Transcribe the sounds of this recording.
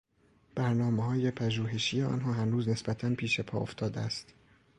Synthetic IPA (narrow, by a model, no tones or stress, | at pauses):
b̥æɾnɒːmeɦɒːje̞pʰæʒuːɦe̞ʃiːjeɒ̰ːnɦɒːɦæɾnuːzne̞sbæt̪ʰænpʰiːʃepʰɒ̰ːoft̪ʰɒːd̪eæst̪